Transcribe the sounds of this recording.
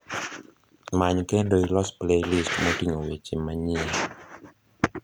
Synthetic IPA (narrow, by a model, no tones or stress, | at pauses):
maɲkɛdoːjlɔsplelistmɔtiŋɔwet͡ʃemːaɲia